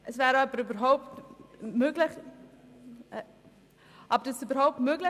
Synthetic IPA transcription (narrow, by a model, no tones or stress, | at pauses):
ʔəsvɛːɾəœpəɾybəɾɦɔʊptmøːɡlɪχ | ʔɑbədəsybəɾhɔʊp̚tmøːɡlɪ